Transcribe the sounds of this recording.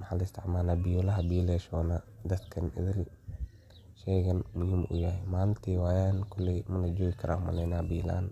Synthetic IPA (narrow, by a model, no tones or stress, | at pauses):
mɐħaːlɐst̪ʰɪ̰ʕmaːnaːbɪjɔːlɐɦɐbiːlɛːʃɔːnad̪ɐd̪kʰɐnɪ̰ðɪl | ʃɛːɣɐnmʊhiːmʔʊ̰jahɛmaːnɪnt̪ʰiːwaːjaːnkʰʊlːɛjmɐlɐd͡ʒɔːɣɪkʰɐɾa̰ːhʊmɐ̰lɛjnaːbiːla̰ːn